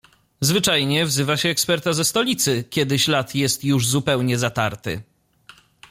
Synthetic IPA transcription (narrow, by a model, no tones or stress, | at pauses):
zvɘt͡ʂajɲɛvzɘvaɕɛːkspɛɾt̪azɛst̪ɔlʲit̪sɘkʲjɛd̪ɘɕlat̪jɛst̪juʐzupɛwɲɛzat̪aɾt̪ɘ̰